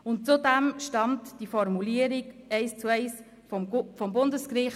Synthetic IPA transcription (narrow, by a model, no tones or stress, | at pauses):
ʊntt͡sudɛmʃtɑmtd̥ifɔɾmuliəɾiɡɛɪst͡suɛɪs | fɔmbʊndəskɾɪχ